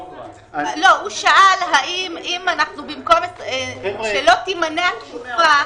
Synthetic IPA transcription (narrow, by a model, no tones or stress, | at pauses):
louʃaʔalɦaʔimʔimanaχnubimkometeʃelo̞t̪imaneaufa